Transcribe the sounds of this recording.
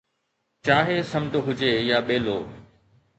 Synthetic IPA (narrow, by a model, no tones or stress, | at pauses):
t͡ɕaːɦesɐmʈɦʊd͡ʑeːjaːɓeːloː